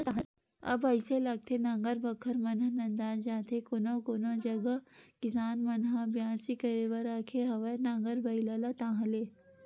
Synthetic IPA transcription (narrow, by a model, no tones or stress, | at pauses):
ɐ̰bɐɪselɐɡ̚t̪ʰenãːŋɡəɾbɐkʰəɾmɐnanɐ̃nd̪aːzd͡ʒaːt̪ʰekonokoːnod͡ʒɐɡəkɪsaːnmɐnɦabjaːsikəɾeʋəɾaːkʰeɦɐʋənãːŋɡəɾbɐilaːlat̪ãːɦleː